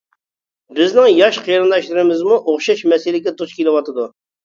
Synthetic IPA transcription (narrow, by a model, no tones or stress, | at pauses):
bɪznɪŋjɑʃqʰijɾɨnd̪ɑʃlˠɨɾɨmɪzmuʔoχʃɑʃmɛsɪlɪɡʲɛt̪ʰuʃkʲelɨwɑt̪ʰɨd̪u